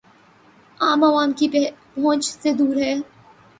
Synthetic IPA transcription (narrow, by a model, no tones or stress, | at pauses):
aːmaʋaːmkibɔ̃ːt͡ʃsed̪uːɾɦɛː